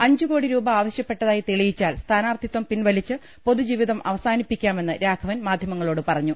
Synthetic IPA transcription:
ɐɲd͡ʑuko̞ːɽiɾuːbɐaːʋɐɕjɐpːe̞ʈːɐðaːjit̪eɭijit͡ɕːaːlst̪ʰaːnaːrt̪ʰit̪ʋɐmpinʋɐlit͡ɕːɨ | po̞ðud͡ʑiːʋiðɐmʔɐ̰ʋɐsaːnipːikʲːaːme̞nːɨɾaːkʰɐʋɐnmaːd̪ʱjɐmɐŋːɐɭo̞ːɽɨpɐrɐɲːu

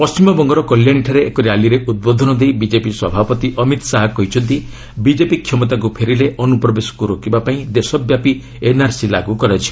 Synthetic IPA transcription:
pɔst͡ʃimɔbɔŋɡɔɾɔkɔljañiʈʰaɾeekɔɾealiɾeʔud̪̚bod̪ʱɔnɔd̪ejbid͡ʒepiswɔbʱapɔt̪iʔɔmit̪ɔ̥saɦɔkɔɦit͡ʃʰɔnt̪i | bid͡ʒepikʰːjɔmɔt̪ak̬upʰeɾileʔɔnupɾɔbesɔ̥kuɾokibapaĩd̪esɔbjapi | enaɾsilaɡukɔɾat͡ʃʰi̥

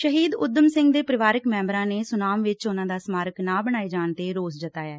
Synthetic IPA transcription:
ʃəɦiːd̪ʊd̪əmsɪ̃ŋɡd̪eːpɾəʋaːɾəkmɛ̃ːmbɾãːneːsʊnaːmʋɪt͡ʃʊnãːd̪aːsmaːɾəknãːbəɽ̃aːiːd͡ʒaːɳt̪eːɾoːs̬d͡ʒət̪aːjaː

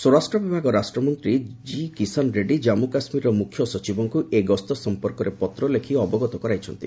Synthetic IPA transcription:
sɔɾasʈɾɔbibʱaɡɔɾasʈɾɔmɔnt̪ɾid͡ʒikisɔnɾeɖid͡ʒamukasmiɾɔmukʰjɔsɔt͡ʃibɔŋkuʔeɡɔst̪ɔsɔmpɔɾkɔɾepɔt̪ɾɔlekʰiɔbɔɡɔt̪ɔkɔɾajt͡ʃʰɔnt̪ḭ

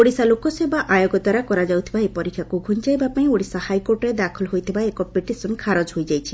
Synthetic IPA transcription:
oɽisalokɔsebaʔajoɡɔt̪aɾakɔɾad͡ʒawt̪ʰibaepɔɾikʰːjakuɡʱunt͡ʃajbapaĩoɽisahajkoɾʈɔɾed̪akʰɔlɦojt̪ʰibaekɔpeʈisɔnkʰaɾɔd͡ʒɦojd͡ʒajt͡ʃʰi̥

